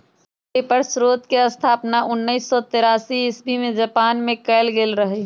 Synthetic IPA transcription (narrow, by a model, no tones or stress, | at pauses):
epəɾsɾoːt̪keəst̪ʰaːpnaʔʊnːəiːsːɔt̪ɪɾaːsiɪsbimẽd͡ʒɐpaːnmẽkɛɪlɡeːlɾəɦe